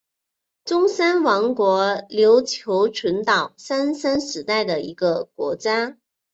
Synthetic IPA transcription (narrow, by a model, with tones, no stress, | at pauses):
ʈ͡ʂʊ˥ŋsa˥nwɑ˧˥ŋkwɔ˧˥ljo˧˥ʊt͡ɕʰjo˧˥ʊʈ͡ʂʰə˧˥nt̪ɑ˨˩ʊsa˥nsa˥nʂɻ̩˧˥t̪a˥˩ɪd̪ə˩ḭ˧˥ɡə˧kwɔ̰˧˥t͡ɕja˥